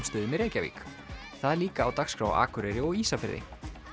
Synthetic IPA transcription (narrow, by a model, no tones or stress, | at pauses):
mst̪eːðɪmɛɾeːjcavḭːk | θaðliːkaːwt̪akskɾa̰ːwa̰ːkʏɾɛɾɪɔɣiːsafɪɾðɪ̰